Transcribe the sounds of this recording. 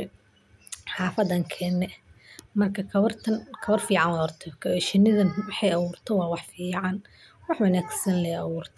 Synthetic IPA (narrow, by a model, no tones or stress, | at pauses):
ħɑːfɐd̪ɐːŋkʰɛːnɛmɐrkʰɐkʰɐβɐrt̪ʰɐnkʰɐβɐrfiːʕɑnwɑːɔrt̪ʰɛkʰɐʃɪnɪðɐnwɑħɑjɐβuːrt̪ʰɐwɑːwɑħfiːʕɑn | wɑħwɐnaːɡsɐnlɛjɐwuːrt̪ʰ